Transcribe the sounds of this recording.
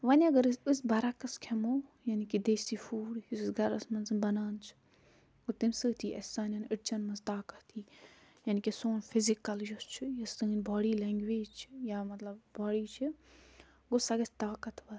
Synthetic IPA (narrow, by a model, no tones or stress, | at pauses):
ʋɐnʲɐɡɐɾɨsbɐɾɐkɐskʰemoːjɐnikid̪eːsifuːɽjussɡɐɾɐsmɐnzɨnbɐnaːnt͡ʃʰ | ɡot̪imsɨt̪ʰiːʔɐsaːnʲɐnɪʈt͡ʃɐnmɐnzt̪aːkɐt̪ʰiː | jɐnikisoːnfɪzikɐljust͡ʃʰɨjɐst̪ɨːnʲbaːɽiːlɛːŋɡʋeːd͡ʒt͡ʃʰjaːmɐt̪lɐbbaːɽiːt͡ʃʰi | ɡosɐɡɐt͡ʃʰt̪aːkɐt̪ʰʋɐ